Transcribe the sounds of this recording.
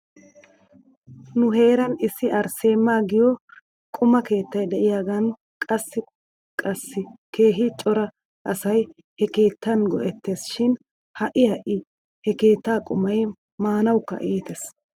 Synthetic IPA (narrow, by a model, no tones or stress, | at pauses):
nʊɦe̞ːɾɐnɪsːɪʔɐɾse̞ːmːaːɡɪjɔ | kʼʊmɐke̞ːt̪ːɐjd̪ɛʔɪjaːɡɐn | kʼɐsːɪ | kʼɐsːɪke̞ːɦɪt͡ʃʼɔɾɐ | ʔɐsɐj | hɛke̞ːt̪ːɐnɡɔʔɛt̪ːe̞ːsʃɪn | hɐʔɪhɐʔɪ | hɛke̞ːt̪ːaːkʼʊmɐj | maːnɐwkːɐ̰ʔiːt̪ɛs